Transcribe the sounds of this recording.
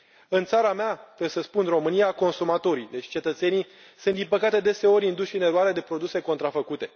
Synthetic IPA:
ɨnt̪saɾameat̪esəspunro̞mɨnijako̞nsumat̪o̞ɾid̪e̞t͡ʃʲt͡ʃe̞t̪ət̪se̞nij | sunt̪d̪inpəkat̪e̞d̪e̞se̞o̞ɾʲind̪uʃɨne̞ɾuaɾed̪e̞pɾo̞d̪use̞ko̞nt̪ɾafəkut̪e̞

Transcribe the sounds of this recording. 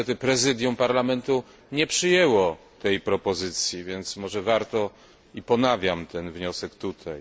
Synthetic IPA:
ɛt̪ɘpɾɛzɘd̪jumpaɾlamɛnt̪u | ɲɛpʂɘjɛwɔ | t̪ɛjpɾɔpɔzɘt̪sʲjivʲjɛnt̪smɔʐɛvaɾt̪ɔ | ipɔnavʲjamt̪ɛnvɲɔsɛkt̪ut̪ʰaj

